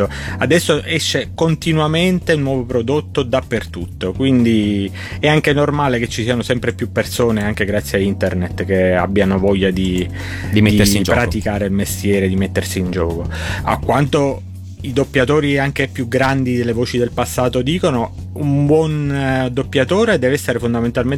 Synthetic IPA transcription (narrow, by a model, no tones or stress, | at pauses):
o | ad̪ɛsːoʔɛʃːekont̪inwament̪eunːwɔːvopɾod̪ot̪ːod̪apːert̪ut̪ːokwind̪i | ɛaŋk̟enormaːleket͡ʃːisiːanosɛmpɾepjupːersoːneaŋkeɡɾat̪sːjaint̪ernet̪k̟ea̰bːjanovɔʎːad̪i | d̪imed̪id͡ʒpɾat̪ikaːɾeilmest̪jɛːɾed̪imet̪ːersiːnd͡ʒɔːkoa̰kːwant̪o | id̪opːjat̪oːɾiaŋk̟epjuɡɾand̪id̪elːevoːt͡ʃid̪elpasːaːt̪od̪iːkono | umbwɔnd̪opːjat̪oːɾed̪ɛːveɛsːeɾefond̪ament̪almen